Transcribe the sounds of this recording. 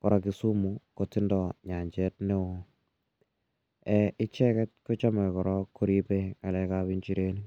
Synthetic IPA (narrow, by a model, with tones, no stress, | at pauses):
kɔ˨ɾa˨ki˨su˦mu˨ko˨ti˦ndɔ˨ɲa˨ɲt͡ʃɛ˦tne˦ | ɛ˨ɪ˦t͡ʃɛ˦kɛ˦t̚ko˦t͡ʃa˦mɛ˨kɔ˨ɾɔkːu˦ɾi˦pe˦ka˨lɛkaβi˦ɲt͡ʃi˦ɾe˦ni˦